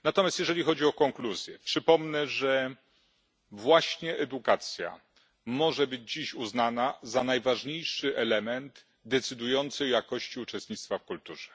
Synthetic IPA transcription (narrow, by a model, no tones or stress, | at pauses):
nat̪ɔmʲjast̪jɛʐɛlʲixɔd͡ʑiɔkɔŋkluzʲjɛpʂɘpɔmnɛʐɛ | vwaɕɲɛʔɛd̪ukat̪sʲja̰ | mɔʐɛbɘd͡ʑd͡ʑiɕuznanazanajvaʐɲejʂɘʔɛlɛmɛnd̪ | d̪ɛt̪sɘd̪ujɔnt̪sɨɔjakɔɕt͡ɕiut͡ʂɛst̪̚ɲit̪t̪fafkult̪uʐɛ